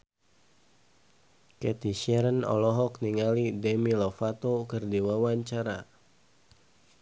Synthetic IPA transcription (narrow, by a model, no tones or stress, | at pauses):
kɛt̪iʃɛɾənɔ̰lɔɦɔkniŋalidɛmilɔfat̪okɨrdiwawaɲt͡ʃaɾa